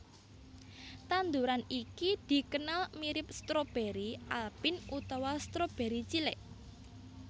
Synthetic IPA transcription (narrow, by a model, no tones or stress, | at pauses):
t̪and̪uɾanikid̪̥i̤kənalmiɾɪp̚st̪ɾob̥e̤ɾiʔalpɪnut̪awast̪ɾob̥e̤ɾit͡ʃilɛʔ